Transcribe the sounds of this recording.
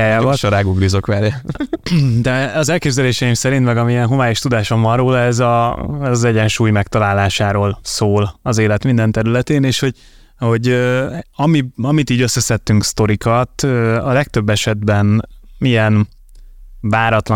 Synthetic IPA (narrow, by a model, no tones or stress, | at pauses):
aavʃoɾaːɡuɡɾizokʋɛɾɛ | d̪ɛɒzɛlkeːbzɛleːʃɛjimsɛɾint̪mɛɡɒmiɛnɦovaːjeːʃt̪ud̪aːʃoɱvɒ̃nroːlɛzɒɛzɒzɛɟɛnʃuːjmɛkt̪ɒlaːlaːʃaːɾoːlsoːlɒzeːlɛt̪mind̪ɛnt̪ɛɾylɛt̪eːneːʃho̞ɟ | ho̞ɟøɒmiɒmit̪iːɟø̞sːɛsɛt̪ːyŋkst̪o̞ɾikɒt̪øɒlɛk̚t̪ø̞bːɛʃɛd̪bɛnmijɛn | vaːɾɒt̪l